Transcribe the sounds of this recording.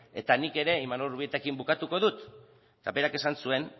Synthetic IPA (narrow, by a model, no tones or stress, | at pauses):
e̞t̪anike̞ɾe̞imanolruβiet̪akimbukat̪uko̞ðut̪ː | ape̞ɾake̞sansue̞n